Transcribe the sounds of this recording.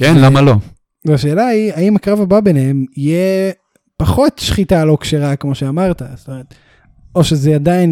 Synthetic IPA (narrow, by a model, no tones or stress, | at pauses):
kenlamalo̞ | vaʃeːlaiaimakʁavababenehemije | paχo̞t̪ʃχitalo̞kʃeʁakmo̞ʃeamaʁt̪ast̪omeʁet̪ | o̞ʃezeadain